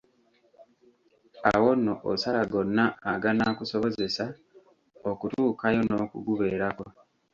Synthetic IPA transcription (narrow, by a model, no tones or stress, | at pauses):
awo̞nːoʔo̰salaɡo̞nːaːɡanaːkuso̞βo̞ze̞sa | okutuːkajo̞no̞ːkṵɡuβe̞ːɾako̞